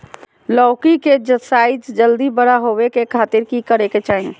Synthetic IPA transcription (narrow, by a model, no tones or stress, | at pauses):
lɔːkiked͡ʒəsaid͡ʒd͡ʒəld̪ibəɽ̤aɦobekekʰaːt̪iɾkikəɾeket͡ʃaːɦĩ